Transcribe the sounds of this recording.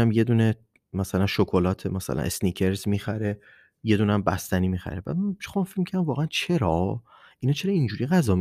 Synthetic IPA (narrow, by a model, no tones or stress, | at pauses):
æmje̞d̪uːne | mæsælænʃokʰolɒːt̪ʰemæsæ̰læ̰nʔesnicʰe̞ɾzmiːxæɾe̞ | je̞d̪uːnæmbæ̰st̪æniːmiːxæ̰ɾebæ̰mxomæfecmicʰæɾd̪æmvɒːɣeænt͡ʃʰe̞ɾɒːʔinɒːt͡ʃʰe̞ɾɒːind͡ʒuːɾiɣæzɒːm